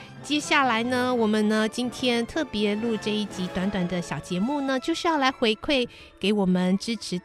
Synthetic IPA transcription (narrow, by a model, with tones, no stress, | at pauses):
t͡ɕjɛ˥ɕja˥˩la˧˥ɪnə˧wɔ˨˩mə˦nnə˧t͡ɕi˥nt̪ʰjɛ˥nt̪ʰɤ˥˩pjɛ˧˦˥lu˥˧ʈ͡ʂɤ˥˧i˥˩t͡ɕi˧˥t̪wa˧˥nt̪wa˨˩nd̪ə˦ɕjɑ˨˩ʊt͡ɕjɛ˧˥mu˥˩nə˨t͡ɕjo˥˧ʊʂɻ̩˥˧jɑ˥˩ʊla˧˥ɪxwe˧˥ɪkʰwe˥˩ɪ | ke˧˥ɪwɔ˨˩mə˨nʈ͡ʂɻ̩˥ʈ͡ʂʰɻ̩˧˥